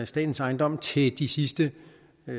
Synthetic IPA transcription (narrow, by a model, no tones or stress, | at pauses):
sd̥ɛ̰ːd̥n̩sɑ̈ɪnd̥ɒ̽m̰t͡sʰe̝ld̥isisd̥ə